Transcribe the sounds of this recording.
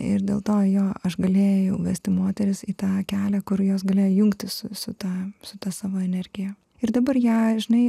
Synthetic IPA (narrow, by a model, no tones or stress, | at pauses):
ɪ̰ɾd̪ʲḛːlˠt̪oːjoːɐʃɡɐlʲeːjɛʊʋʲæsʲt̪ʲɪmoːt̪ʲɛɾʲɪsiːt̪ɑːkʲæːlʲækʊɾjoːs̬ɡɐlʲeːjojʊŋkt̪ʲɪssʊ̰sʊt̪ɑːsʊt̪ɑsɑːʋoːɛnʲɛɾʲɡʲɪjɛ | ɪɾd̪ɐbɐrjæːʒʲɪnɐɪ